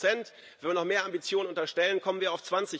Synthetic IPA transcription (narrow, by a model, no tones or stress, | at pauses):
ɛnt | vvɛnviɐnɔχmeːɐambit͡sjoːnənʔʊntɐʃtɛlənkʰɔmənviːɐaʊt͡sv̥ant͡sɪ